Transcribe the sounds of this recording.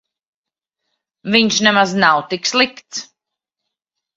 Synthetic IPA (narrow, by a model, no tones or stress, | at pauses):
viɲʃnɛmaznawt̪ikslˠikt̪s